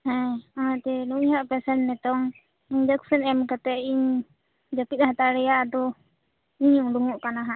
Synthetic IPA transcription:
hɛ̃aɦat̪ɛnuiɦaʔpɛsɛnːɛt̪ɔŋ | iɲd͡ʒaksɛnɛmkat̪ɛʔiɲ | d͡ʒakit̪̚ɦat̪aɾɛjaʔd̪ɔ | iɲuŋɖuŋuʔkanaɦa

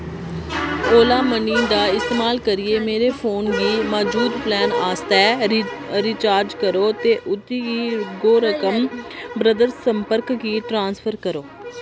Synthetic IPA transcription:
oːlaːməniːnd̪aːɪst̪eːmaːlkəɾɪeːmeːɾeːpʰoːnɡiːmɔːd͡ʒuːd̪plɛːnaːst̪ɛː | ɾiːt͡ʃaːɾd͡ʒkəɾoːt̪eːʔʊt̪iːɡiːɡoːɾəkəmbɾəd̪əɾsəmpəɾkɡiːʈɾãːnspʰəɾkəɾoː

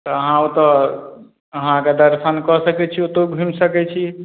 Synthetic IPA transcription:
t̪ɔəɦãõt̪ɔ | əɦãked̪əɾsʰənkɔsəkɛt͡ʃʰiot̪oɡʱimsəkɛt͡ʃʰi

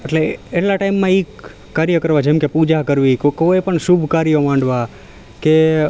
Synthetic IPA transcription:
əʈleeʈlaʈaimːãik | kːaɾjəkəɾʋad͡ʒemkepud͡ʒakəɾʋikkojpəɳʃubʱkaɾjəmãɳɖʋa | ke

